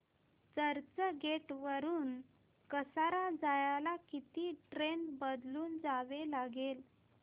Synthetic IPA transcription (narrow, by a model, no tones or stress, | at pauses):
t͡səɾt͡səɡeʈʋəɾuːn | kəsaɾad͡zajalakit̪iːʈɾenbəd̪luːnd͡zaʋelaɡel